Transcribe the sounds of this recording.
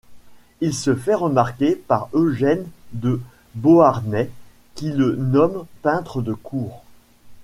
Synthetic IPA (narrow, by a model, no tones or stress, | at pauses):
ilsəfɛʁəmaʁkʲepaʁøʒɛnd̪ə | boaʁnɛ | kʲilənɔmpɛ̃t̪χəd̪əkʰuːʁ